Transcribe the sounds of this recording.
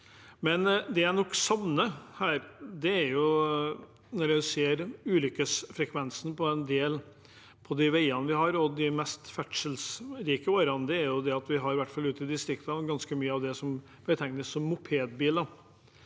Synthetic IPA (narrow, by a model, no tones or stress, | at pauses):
mɛnd̪ɛænɔkːsɑʋnəhæːɾd̪ɛæɾjʊ | nɔɾjæɪseːɾʉːlʏkːəsfɾɛkʰʋɛnsn̩pʰɔɛnd̪eːl | pʰɔd̪ɪʋæɪɑnəʋɪɦɑɾɔd̪ɪmɛst̪fæʈ̪ʂəlsɾiːkəoːɾɑnəd̪ɛæɾjʊd̪ɛɑt̪ʋɪɦɑɾʋæʈːfɑlʉːt̪ɪd̪ɪst̪ɾɪkt̪əɡɑnskəmyːəɑʋd̪ɛsɔm | bət̪ʰɛŋnəsːɔmːʊpʰeːd̪biːld̪ɑ